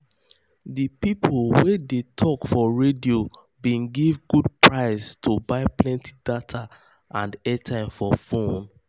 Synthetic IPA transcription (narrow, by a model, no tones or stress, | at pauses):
dipipʰolwedetʰɔkfɔɹedio | bĩnɡivɡud̚pʰɹaɪstʰobaɪplɛ̃ntʰi̥datʰa | ʔãndɛtʰãɪ̃mfɔfõn